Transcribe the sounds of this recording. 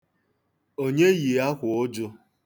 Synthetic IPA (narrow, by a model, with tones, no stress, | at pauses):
o˦ɲe˦ji˨a˦kʷʊ˨ʊ˦d͡ʒʊ˦